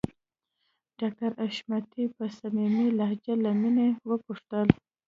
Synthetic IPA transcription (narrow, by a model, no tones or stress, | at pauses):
ɖ̥ɑk̚ʈaɾaʃmat̪ipəsamimilahd͡ʒalaminewəpuʂt̪əl